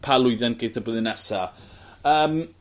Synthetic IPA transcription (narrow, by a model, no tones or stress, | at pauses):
pʰalˠʊɨðɛnɡ̥ejθʰaboːðɪnɛsa | əːm